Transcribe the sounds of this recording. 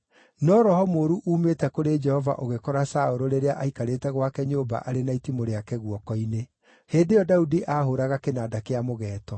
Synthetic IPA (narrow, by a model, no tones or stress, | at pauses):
nɔɾɔhɔmoːɾuʔuːmetɛkoɾed͡ʒɛhɔva̰ʔoɣekɔɾasaoɾoɾeɾeaʔaikaɾeːtɛɣwakɛɲoːba̰ʔaɾenaitimoɾeakɛɣwɔkɔine | heːndejɔdaudiʔaːɦoɾaɣakenadakeamoɣɛːtɔ